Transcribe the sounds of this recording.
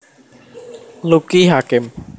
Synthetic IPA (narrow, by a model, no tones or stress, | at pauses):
lukiɦakɪm